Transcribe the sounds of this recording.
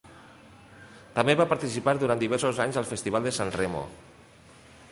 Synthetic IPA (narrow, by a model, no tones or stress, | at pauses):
t̪əmbeβapaɾt̪isipaɾðuɾaniβ̞ɛɾsozaɲzəlˠfəst̪iβ̞alˠd̪əsanremo̰